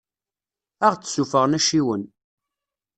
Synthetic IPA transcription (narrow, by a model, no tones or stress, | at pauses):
æʁt͡sːsufəʁnæʃiwən